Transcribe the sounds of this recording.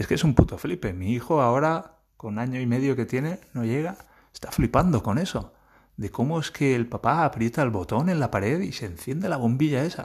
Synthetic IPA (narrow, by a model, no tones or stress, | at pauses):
e̞skesumput̪oflipe̞miixo̞ao̞ɾa | ko̞naɲo̞ime̞ðjo̞ke̞t̪je̞ne̞no̞ʎe̞ɣ̞a | est̪aflipand̪o̞ko̞ne̞so̞ | ðe̞ko̞moeske̞ːlpapaːpɾje̞t̪alβo̞t̪o̞ne̞nlapaɾe̞ðise̞nθje̞nd̪elaβ̞o̞mbiʎae̞sa̰